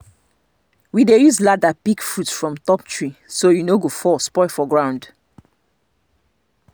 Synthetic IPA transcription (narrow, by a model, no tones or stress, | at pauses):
widejuzladapikfɹutfɹɔ̃mtɔp̚tʰɹisojunoɡofɔspɔɪfɔɡɹãʊ̃nd